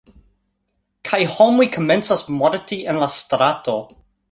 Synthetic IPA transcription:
kʰajhomujkʰoment͡sasmoɾtienlastɾato

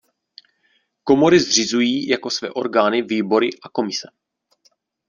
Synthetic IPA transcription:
ko̞mo̞ɾɪzr̝ɪzujiːjako̞svɛ̰ːʔo̞̰ɾɡaːnɪviːbo̞ɾɪʔako̞mɪsɛ

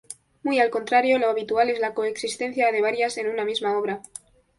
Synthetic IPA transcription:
mujalko̞nt̪ɾaɾjo̞lo̞aβit̪uale̞zlako̞eksist̪e̞n̟θjaðe̞β̞aɾjase̞nunamizmao̞β̞ɾa

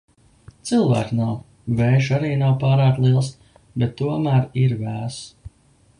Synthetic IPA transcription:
t̪sɨlˠvæ̰ːknaw | vɛjʃaɾiːnawpaːɾaːk̚t̪lˠiɛlˠs | bɛt̪ːuɔmæːɾiɾvæːs

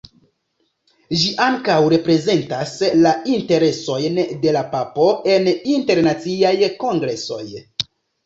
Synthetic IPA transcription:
ʒiʔaŋkawɾe̞pɾe̞ze̞ntaslainte̞ɾe̞so̞jnde̞lapapo̞e̞ninte̞ɾnat͡siajko̞ŋɡɾe̞so̞̰j

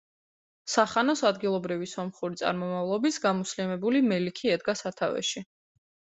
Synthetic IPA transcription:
saχanɔsad̪ɡilˠɔbɾivisɔmχuɾit̪sʼa̰ɾmɔmavlˠɔbisɡamɔslimɛbulimɛlikʰiɛd̪̚ɡasat̪ʰa̰vɛ̰ʃi

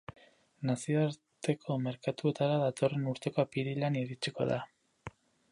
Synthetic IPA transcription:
nasio̞aɾt̪e̞kʰome̞ɾkat̪ue̞t̪aɾaðat̪o̞re̞nuɾt̪e̞ko̞apiɾilaniɾit͡ʃiko̞̰ða

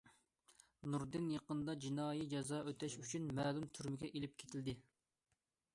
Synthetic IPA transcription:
nuɾd̪ɪnjeqənd̪ɑd͡ʒinɑːjid͡ʒɑzɑːøt̪ʰɛʃyt͡ʃʰynmɛːlˠumt̪ʰyɾmɪɡʲɛʔelɪp̚kʲʰe̥t̪ʰɪld̪ɪ

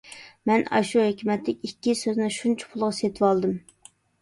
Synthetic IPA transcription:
mɛnɑ̰ʃuhøkʲymɛt̪ːɪkʲikʲːisøznɪʃunt͡ʃʰɛ̥pʰʊlˠʁɑset̪ʰɨwɑlˠd̪ɨm

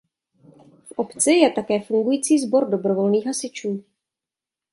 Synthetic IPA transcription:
fʔo̞pt͡sɪjɛt̪akɛːfuŋɡujiːt͡siːzbo̞ɾdo̞bɾo̞vo̞lniːxɦasɪt͡ʃuː

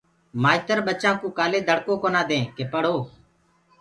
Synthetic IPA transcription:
maːɪt̪əɾɓət͡ʃãːkũːkaːleːd̪ʱəɽkõːkoːnãːd̪ẽːkeːpəɽ̤oː

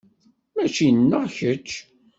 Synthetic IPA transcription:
mæt͡ʃinːəʁçət͡ʃː

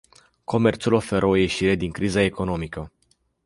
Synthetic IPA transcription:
ko̞me̞rt̪sulo̞fe̞ɾʔəoje̞ʃiɾe̞d̪iŋkɾizae̞ko̞no̞mikə

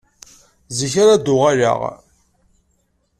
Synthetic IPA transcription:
ziçaɾad̪ʊʁaɾa̰ʁ

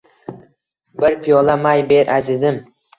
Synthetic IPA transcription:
bɪɾpʰijɒlamajbe̞ɾʔazɪzɪm

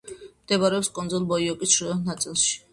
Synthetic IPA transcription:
md̪ɛbaɾɛɔpskʼɔnd̪zɔlˠbɔiɔkʼisʃuɔnat̪sʼilˠʃi̥

